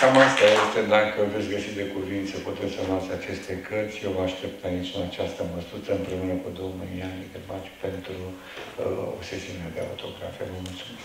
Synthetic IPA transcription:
kamast̪ajest̪ed̪akəve̞t̪sʲɡəsit̪̚d̪ekuvint̪səkut̪et̪sənuat̪sʲat͡ʃe̞st̪e̞kʰərt̪sʲjewvaaʃt̪e̞p̚t̪ait͡ʃunat͡ʃast̪əməsut̪səɨmpɾe̞unəkud̪owmijaned̪ebat͡ʃu̥pe̞nt̪ɾu | o̰bse̞siunead̪ea̰ut̪ʰo̞ɡɾa̰fijevəmult̪sumes

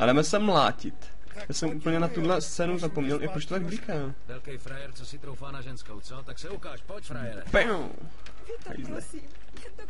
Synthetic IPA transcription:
ʔadɛmɛsɛmla̰ːcɪt̪ | jaːsɛmʔuːpl̩ɲɛnat̪udlɛst͡sɛːnuzapomɲɛlʔɪpɾot͡ʃt̪ot̪aɡ̚blikaː | vɛlkɛjfɾajɛɾt͡sosɪt̪ɾowfaːnaʒɛnskowt͡sot̪aksɛukaːʃpocfɾajɛɾpɛo | ha̰jzlɛ̰

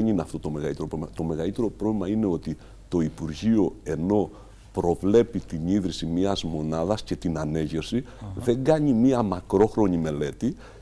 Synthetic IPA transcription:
enineɐft̪o̞t̪o̞me̞ɣɐlit̪eɾopɾoemɐt̪o̞me̞ɣɐlit̪e̞ɾo̞pɾovlemɐine̞o̞t̪i | t̪o̞ipuɾʝio̞e̞no̞ | pɾo̞vle̞pit̪iniðɾisimɲiɐzmo̞nɐðɐsce̞t̪inɐne̞ʝe̞fsiðe̞ŋɡɐɲimiɐmɐkɾo̞xɾo̞ɲime̞le̞t̪i

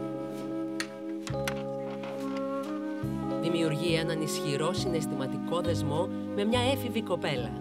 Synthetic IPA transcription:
ðimiuɾʝienɐnisçiɾo̞sine̞st̪imɐt̪iko̞ðe̞zmo̞ | me̞mɲɐe̞fiviko̞pe̞lɐ̰

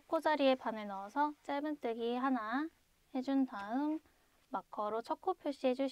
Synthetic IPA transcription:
t͡ɕʰk̚k͈od͡ʑaɾie̞panɯɭnʌːsʰʌt͡ɕ͈emɯnt͈ɯɡiɦana | he̞d͡ʑuntaɯmː | akʰʌɾot͡ɕʰʌk͈ʰopʰjoɭɕ͈iɦe̞d͡ʑuɕ

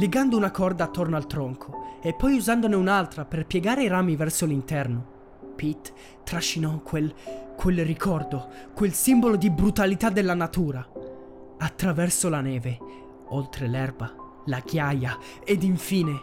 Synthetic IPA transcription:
leɡand̪ounakɔrd̪aːt̪ːornoalt̪ɾɔŋkʰoepːɔjuzand̪oneunalt̪ɾaperpjɛɡaːɾeiɾaːmivɛrsolint̪ɛrno | pit̪ː | ɾaʃːinɔkʰwelkʰwelrikʰɔrd̪okwelsimbolod̪ibɾut̪alit̪ad̪ːelːanat̪uːɾa | at̪ːɾavɛrsolanɛːve | olt̪ɾelɛrba | lakjaja | ed̪iɱfiːne

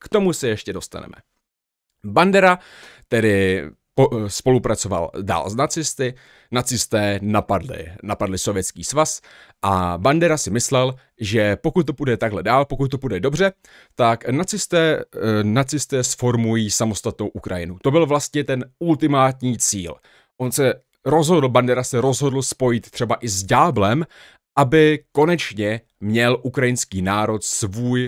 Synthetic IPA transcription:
kt̪o̞musɛjɛʃcɛdo̞st̪a̰nɛ̰mɛ̰ | bandɛɾat̪ɛdɪ | pospo̞lupɾat͡so̞va̰lda̰ːlznat͡sɪst̪ɪ | nat͡sɪst̪ɛːnapadlɪ̰napadlɪso̞vjɛt͡skiːsvas | ʔa̰bandɛɾasɪmɪslɛl | ʒɛpo̞kut̪̚ːopudɛt̪aɡɦlɛdaːlpo̞kut̪̚t̪ːopudɛdo̞br̝ɛ | t̪aknat͡sɪst̪ɛːnat͡sɪst̪ɛːsfo̞ɾmujiːsamo̞st̪at̪no̞wʔukɾʔa̰jɪnut̪o̞bɪlvlast̪ɲɛt̪ɛnult̪ɪmaːt̪ɲiːt͡sḭːl | ʔo̞nsɛ | ɾo̞zɦo̞dl̩bandɛɾasɛɾo̞zɦo̞dl̩spo̞jɪt̪t̪r̥ɛbaʔɪzɟaːblɛm | ʔabɪko̞nɛt͡ʃɲɛ | mɲɛlʔukɾajɪnskiːnaːɾo̞t̪svuːj

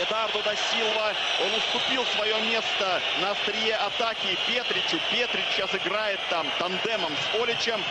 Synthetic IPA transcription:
ɪd̪ard̪od̪ɐsʲilˠvə | o̞nʊst̪ʊpʲilˠsvɐjo̞mʲe̞st̪ə | nəɐst̪ɾʲɪjeʔɐt̪akʲɪːpʲet̪ɾʲɪt͡ʃɪpʲet̪ɾʲɪt͡ɕːasɪɡɾajɪt̪ːamt̪ɐnd̪ɛməmsolʲɪt͡ɕəm

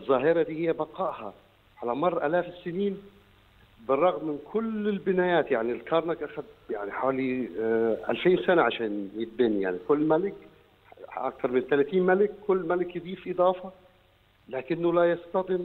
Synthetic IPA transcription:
zˤːɑːɦɪɾˤɑd̪iːhɪjːæbɑqɑʔhɑ | ʕalæmɑrˤːɑʔælæːfsːɪniːn | bɪrˤːɑɣmːɪnkʰʊlɪlbɪnæːjæːt̪jaʕnilkɑɾˤnɑkʔæxæd̪̚jaʕniħawaːli | ʔæ̰lfiːnsænaʕaʃæːnjɪt̪̚bɪnja̰ʕnikʊlːmælɪk | ʔɑ̰k̚t̪ɑɾˤmɪnt̪ælæt̪iːnmælɪkːʊlːmælɪkjɪd̪ˤiːfʔɨd̪ˤɑːfɑ | læːkɪnːʊlæjɑst̪ɑd̪ˤɪm

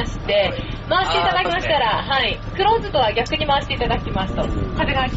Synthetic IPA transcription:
ɕi̥t̪e̞ | maβast̪ːe̞it̪ad̪akʲimaɕi̥t̪aɾaɦaikɯ̟ɾo̞ːzɨt̪o̞βaɡʲakɯ̟ɲ̟imaat̪ːeit̪ad̪akʲimasɨ̥t̪oat̪eɡa

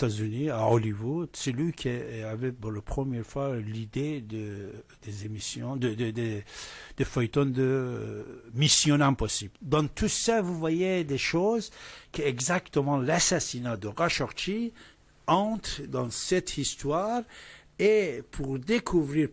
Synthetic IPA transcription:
t̪azyniaɔlivud̪̥sɛlɥikʰʲiavɛpuʁlapχəmjɛɾfwalid̪ed̪ə | d̪̥ezemisjɔ̃d̪əd̪əd̪ed̪̥efœjt̪ɔnd̪ə | misjɔ̃nɛ̃pɔsibld̪ɑ̃t̪ʰusavuvwajed̪eʃozkəɛɡzakt̪əmɑ̃lasasinad̪əʁaʃɔʁt̪i | ɑ̃t̪χd̪ɑ̃sɛt̪ʰist̪waʁ | epʰuʁd̪ekʰuvʁiɾ

